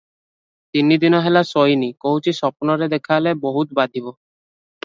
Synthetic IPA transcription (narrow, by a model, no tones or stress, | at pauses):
t̪inid̪inɔɦelasojnikoɦut͡ʃʰisɔpɔnɔɾed̪ekʰaleboɦut̪bad̪ʱibɔ